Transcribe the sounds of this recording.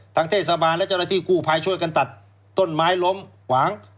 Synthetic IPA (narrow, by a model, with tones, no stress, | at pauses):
t̪ʰa˦˥ŋt̪ʰeː˥˩t̪̚sa˧baː˧nlɛ˦˥t͡ɕa˥˧˩na˧t̪ʰiː˧˩kuː˧˩pʰa˧˩jt͡ɕʰu˥˩əjka˧nt̪a˨˩t̪̚ | t̪ːo˧˥˩nmaː˦˥jlo˧˥mkʰwaː˩˦ŋ